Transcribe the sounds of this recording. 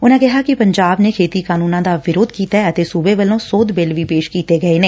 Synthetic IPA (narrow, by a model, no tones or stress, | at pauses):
ʊnãkɛɦakipəɲd͡ʒaːbnekʰeːt̪ikaːnuːnãd̪aːʋɪɾoːd̪kiːt̪aɛət̪esuːbeʋəlõːsoːd̪beːlʋipeːʃkiːt̪eɡɐenẽː